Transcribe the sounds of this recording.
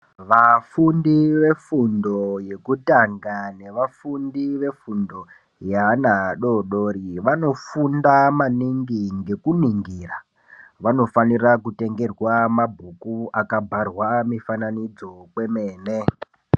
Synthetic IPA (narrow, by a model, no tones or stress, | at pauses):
ʋafundiʋe̞fundo̞je̞kutaŋɡane̞ʋafundiʋe̞fundo̞ | janaɗo̞ɗoɾiʋano̞fundamaniŋɡiŋɡe̞kuniŋɡiːra | ʋano̞fanirakute̞ŋɡe̞rwamabʱukuakabʱarwamifananid͡zo̞kwe̞meːne